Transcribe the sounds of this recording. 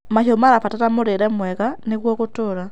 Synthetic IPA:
maʃomalafatatamuɾiɾemwekanikwokutuɾa

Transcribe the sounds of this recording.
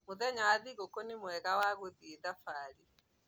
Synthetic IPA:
moðɛɲawaðiɣokonimwɛɣawaɣwoðieðafaɾi

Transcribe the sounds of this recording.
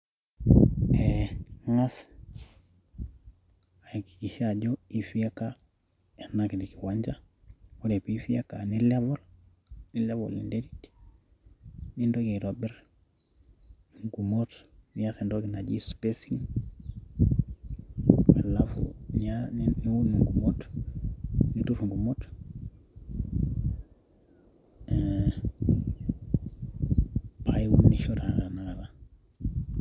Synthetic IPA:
eŋas | aiki̥kiʃaɟoifiaka | enakidikiwaɲd͡ʒa | woɾepifijakanilevol | nilevo̰lḭndeɾit | nindokiɾobɛɾ | iŋɡumotnijasendoɡinad͡ʒispesiŋ | a̰lafṵɲanniunuŋɡumot | nituɾŋɡumot | pajiwunːiʃoɾaɾanaɡala

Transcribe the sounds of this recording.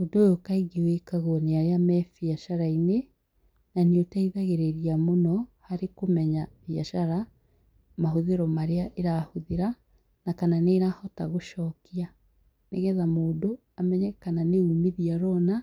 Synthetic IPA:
odojokaiɡewekaɣoɔneaɾeamɛfjaʃaɾaine | naneotaiðaɣeɾeɾiamonɔhaɾekomɛɲavjaʃaɾa | maɦoðeɾɔmaɾeaʔeɾahoðeɾa | nakananeːɾahɔtaɣoʃɔːkia | neɣɛðamoːdo | amɛɲɛkananeumiðiaɾɔna

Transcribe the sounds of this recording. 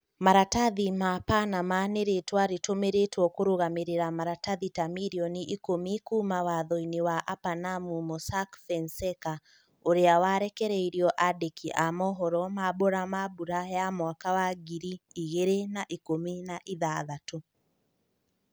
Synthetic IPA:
maɾataðimapanamaneɾetwaɾetomeɾetwɔkoɾoɣameɾeɾamaɾataðitamiɾiɔniʔikomikumawaðɔiniwaʔapanamumɔsakfɛnsɛka | oɾeawaɾɛkɛɾɛiɾjɔʔadekiʔamɔɦɔɾɔmabɔɾamabuɾajamwakawaɡiɾiːɣeɾenaʔikominaʔiðaðato

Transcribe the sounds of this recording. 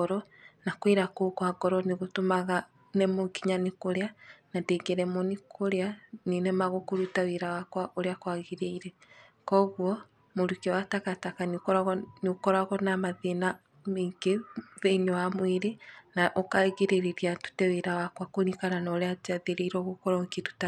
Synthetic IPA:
ɔɾɔ | nakweɾakokwaɡɔɾɔneɣotomaɣa | nɛmoŋɡiɲanekoɾeanandeːŋɡɛɾɛmɔnikʰoɾeanenɛmaɣokoɾutaweɾawakwaʔoɾeakwaɣeɾeiɾɛ | kɔɣwɔ | moɾukewatakatakaniɾɣniokɔɾaɣɔnamaðena | meŋɡeðeinɔwamweɾenaʔɔkaɣeɾeɾeɾiatu̥tɛweɾawakwakonikaɾanaoɾead͡ʒaðeɾeiɾɔɣokɔɾɔŋkitu̥ta

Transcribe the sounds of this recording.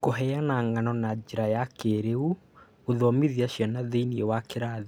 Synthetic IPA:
koɦɛjanaŋanɔnad͡ʑeɾajakeɾeu | oðɔmiðiaɕjanaðeiniɛwakeɾaːði

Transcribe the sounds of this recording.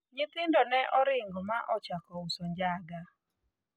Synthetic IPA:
ɲɪt̪ɪndɔnɛʔɔɾɪŋɡɔmaʔɔt͡ʃakɔʊsɔɲd͡ʒaɡa

